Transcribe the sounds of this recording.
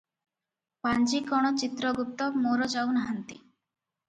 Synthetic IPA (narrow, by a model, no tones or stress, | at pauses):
pand͡ʒikɔɽ̃ɔt͡ʃit̪ɾɔɡup̚t̪ɔmoɾɔd͡ʒawnaɦant̪i